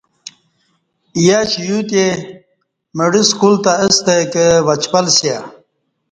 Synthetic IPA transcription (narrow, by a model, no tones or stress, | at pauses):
ijaːt͡ɕijut̪e | məɽiskult̪aəst̪ekəʋɐt͡ɕpɐlsja